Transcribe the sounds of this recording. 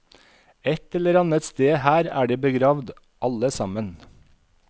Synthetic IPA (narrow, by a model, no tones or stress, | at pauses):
ɛt̪ɛləɾɑnət̪st̪eːhæːɾæ̰ːɖeːbəɡɾɑːʋd̪ | ʔɑləsɑmən